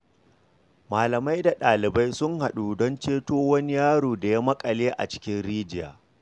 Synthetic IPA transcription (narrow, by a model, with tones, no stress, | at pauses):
maː˨lɐ˨ma˦jda˨ɗaː˨lɪ˨ba˦jsʊ˦ŋha˨ɗuː˨dɔ˦nt͡ʃeː˦toː˦wɐ˦ni˦jaː˦ɽoː˨da˨ja˦mɐ˦kʼɐ˨leː˦ʔa̰˨t͡ʃɪ̥˦kʲɪ˦nɽiː˦d͡ʒɪ˦ja̰ː˨